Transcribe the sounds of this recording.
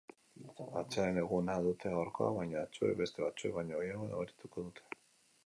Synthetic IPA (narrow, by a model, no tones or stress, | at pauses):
at͡ʃeaɾene̞ɣunaðut̪e̞aoɾko̞̰a̰βajɲaːt͡ʃuḛβe̞st̪e̞βat͡ʃueβaɲaːjeβoðaβoɾit̪uko̞ðut̪ʰe̞̥